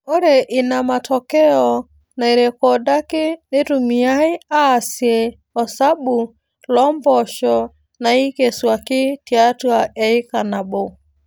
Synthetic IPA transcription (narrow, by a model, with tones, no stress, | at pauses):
ɔ˦ɾɛ˨ʔi˨na˨ma˨tʰɔkɛɔ | na˨iɾɛkɔda˦ki˦ni˦tu˨mi˨a˦i˦a˦˨siɛ˨ | ɔsa˦ɓu˨ | lɔmbɔʃɔ | na˨i˦kɛ˨swaki˦ti˦a˦twaʔɛi˦ka˨na˨bo˨